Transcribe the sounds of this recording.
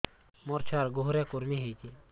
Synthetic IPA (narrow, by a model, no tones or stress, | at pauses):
mɔɾt͡ʃʰaɾɡoɦɾjakuɾmiɦejt̪i